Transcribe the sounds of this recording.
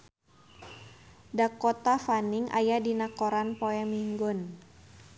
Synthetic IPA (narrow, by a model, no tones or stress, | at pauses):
dakɔt̪afaniŋʔa̰jadinakoɾanpoɛmiŋɡɔn